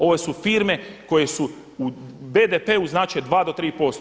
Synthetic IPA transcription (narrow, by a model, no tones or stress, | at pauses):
o̞ʋe̞sufiːɾme̞ko̞je̞su | ub̪e̞d̪epe̞ːuznaːt͡ʃed̪ʋaːd̪o̞t̪ɾiːpo̞st̪